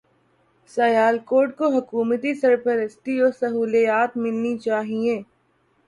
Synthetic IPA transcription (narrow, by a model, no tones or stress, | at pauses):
sɐjaːlkoːɾʈ̚koɦɐkuːmət̪isɐɾpəɾəst̪iɔːsɐɦuːlijaːt̪mɪlnit͡ʃaːɦiẽː